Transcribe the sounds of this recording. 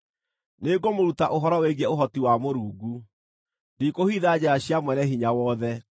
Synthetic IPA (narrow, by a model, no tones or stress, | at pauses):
neɡomoɾutaʔoɦɔɾɔweɡɛoɦɔtiwamoɾuːɡu | ndikohiðad͡ʑaaɕjamwɛnɛɦiɲawɔːðɛ